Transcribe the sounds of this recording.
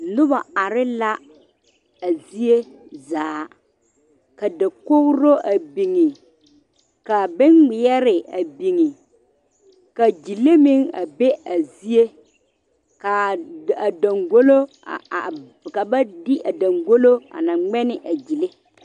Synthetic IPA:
nʊ˦ba˨a˨ɾɪ˦la˦ | a˨zi˦e˦ | zaː˨˦˨ | ka˨dɪ˨kʊ˦ɣɾo˦ʔa˨bi˨ŋɪ˨ | ka˨bɪ˦nɡ͡bɪ˨ɛ˦ɾɪ˨a̰˨bi˨ŋɪ˨ | ka˨d͡ʒi˨le˦mɪ˦ŋa̰˨be˦a˨zi˦e˦ | ka˨a˨da˨ŋɡo˦lo˦˨ | ka˨ba˦dɪ˦ʔa˨da˨ŋɡo˦lo˦a̰˨na˨ŋ͡mɛ˦nɪ˨ʔa˨d͡ʒi˨le˦

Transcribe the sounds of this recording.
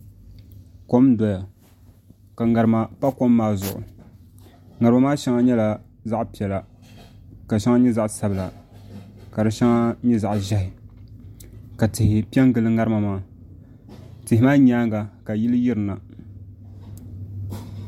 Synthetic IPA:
ko˦mdɔ˨ja˨ | ka˨ŋa˨ɾɨ˨ma˨pa˦ko˦mːaː˦zʊ˨ʔʊ̰˨ | ŋa˨ɾɨma˨maː˦ʃɛ˦ŋa˦ɲɛ˦la˨ | za˦ʔpi˨ɛ˨la˨ | ka˨ʃɛ˦ŋa˦ɲɛ˦za˦ʔsa˨bɨ˨la˨ | ka˨dɨ˨ʃa˦ŋa˦ɲɛ˦za˨ʔʒɛ˦hɪ˨ | ka˨tɪ˨hɪ˨pi˦ɛ˦ŋ˦ɡɨ˨lɨ˦ŋa˦ɾɨ˦ma˨maː˦ | tɪ˨hɪ˨maː˦ɲaː˦ŋɡa˨ka˨ji˦lɨ˦ji˦ɾɨ˨na˨

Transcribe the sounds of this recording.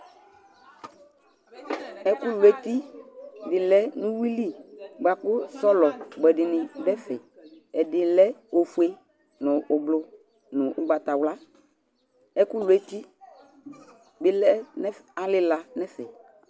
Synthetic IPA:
ɛ˦kʊ˦lʊ˨ɛ˨˦t̪i˦dɪ˨lɛ˦nʊ̃˦wi˦li˦ɡ͡ba˨kʊ˦sɔ˦lɔ˨ɡ͡bɛ˨dɪ˨nɪ̃˨bɛ˦fɛ̰˨ | ɛ˨dɪ˨lɛ˦o˨fu˨e˦ | nʊ̃˨ʔʊ˨blʊ˦ | nʊ̃˨ʔʊ˦ɡ͡ba˨ta˨wla˦ | ɛ˦kʊ˦lʊ˨ɛ˦ti˦ | bɪ˦lɛ˦nɛ˦a˨lɪ˦la˨nɛ˦fɛ˨

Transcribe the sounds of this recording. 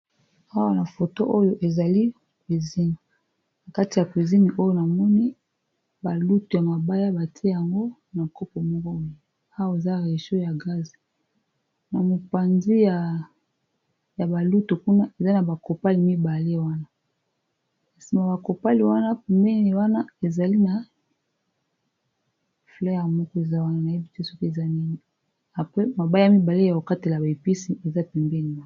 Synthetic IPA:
a˦wa˦na˨fo˨to˦ʔo˦jo˦ʔe˨za˨li˦˨ | kwi˨zi˦ni˨ | na˨ka˦ti˨ja˨kwi˨zi˦ni˨ʔo˦jo˦na˨mɔ˦ni˦ | ba˨lu˦to˨ja˨ma˨ba˦ja˦ba˨ti˦ja˨ŋɡo˦ | na˨ko˦po˨mɔ˦ɡɔ˦mi˨ | a˦wa˨e˨za˦ʁe˨ʃo˦ja˨ɡa˦zi˨ | na˨mo˨pa˨nzi˦ja˨ | ja˨ba˨lu˦to˨ku˦na˦e˨za˦na˨ba˨ko˨pa˦li˨mi˦ba˨le˦wa˦na˦ | a˨si˨ma˨ba˨ko˨pa˦li˨wa˦na˦pɛ˨mbɛ˦i˨wa˦na˦e˨za˨li˦na˨ | flɛ˦ja˨mɔ˦kɔ˦e˨za˦wa˦na˦na˨i˦bi˦te˦so˦ki˦e˨za˦ni˦ŋɡi˦˨ | a˨pʁe˦ma˨ba˦ja˨mi˦ba˨le˦ja˨ko˨ka˦te˨la˨ba˨e˨pi˦si˦e˨za˦pɛ˨mbɛ˦ni˨wa˦

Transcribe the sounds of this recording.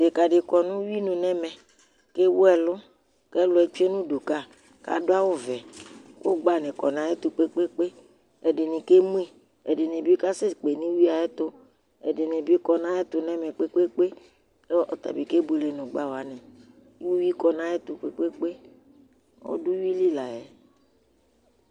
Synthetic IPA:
de˨ka˨ɖɪ˨kɔ˨nũ˦wi˦nũ˨nɛ˦mɛ̃˨ | ke˦wʊ˦ɛ˨lʊ˦ | kɛ˦lʊ˨˦ɛ˨t͡ʃe˦nũ˦du˨ka˦ | ka̰˨do˦a˦wo˦vɛ˨ko˦ɡ͡ba˦nɛ̃˨kɔ˨nã˦e˦t̪ʊ˨k͡pe˦k͡pe˦k͡pe˦ | ɛ˨de˨nĩ˨ke˦mũ˦e˨ | ɛ̰˨de˨nẽ˨bi˦ka˦se˦˨k͡pe˨nĩ˦wi˦a˨ɛ˦t̪ʊ˦ | ɛ̰˨dɪ˨nẽ˨bi˦kɔ˨nã˦ɛ˦t̪ʊ˦nɛ̃˦mɛ̃˨k͡pe˦k͡pe˦k͡pe˦ | lɔ˦ʔt̪a̰˨bi˨ke˦bu˨le˨nʊ̃˨ɡ͡ba˦wo˨a˨˦nɛ̃˨˦ | u˦wi˦kɔ˨nã˦jɛ˦t̪ʊ˨k͡pḛ˦k͡pe˦k͡pe˦ | wɔ̰˦dʊ˦wi˦li˦la˨jɛ˨

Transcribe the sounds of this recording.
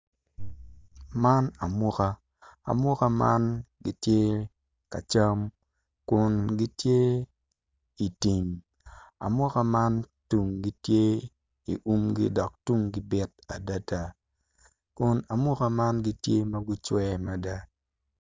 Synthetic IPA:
ma˦na˨mʊ˦ka˦ | a̰˨mʊ˦ka˦ma˦nɡi˦tje˦ | ka̰˨t͡ʃa˦m | kʊ˨nɡi˦tje˦ | i˨ti˨m | a̰˨mʊ˦ka˦ma˦ntu˨ŋɡi˦tje˦ | i˨ʔu˦mɡḭ˦dɔ˨k̚tu˦ŋɡi˦bɪ˦t̚a˨da˦ta˦ | kʊ˨na˨mʊ˦ka˦ma˦nɡi˦tje˦mɐ˦ɡʊ˦t͡ʃwɛ˦ma˨da˦

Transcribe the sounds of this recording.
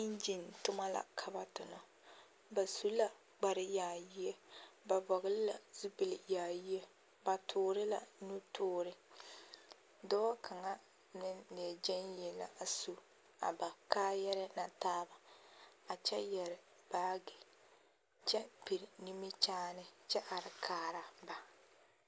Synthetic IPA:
i˦nd͡ʒi˨ntʊ˦ma˦la̰˨kʰa˨ba˨tʊ˨nɔ˨ | ba˨su˦la˨ | ɡ͡ba˨ɾɪ˦jaː˨ji˦e˦ba˨bɔ˨ɣɪ˦lɪ˦la̰˨zu˦bi˨lɪ˨jaː˨ji˦e˦ | ba˨tʰʊː˨ɾɪ˦la̰˨nu˦tʊː˦ɾɪ˦ | dɔ˦kʰa˨ŋa˦ | nɪ˦nne˨d͡ʒɛ˦njɛ˨la̰˨a˨su˨ | a̰˨ba˨kaː˦jɛ˦ɾɪ˦na˨taː˦ba˨ | a˨t͡ʃɛ˦jɛ˨ɾɪ˨ | b̥aː˦ɡɪ˨ | t͡ʃɛ˦pi˨ɾɪ˨ni˦mi˦t͡ʃaː˦nɪ˨t͡ʃɛ˦ʔa˨ɾɪ˨kʰaː˨˦˨ɾa˦ba˨

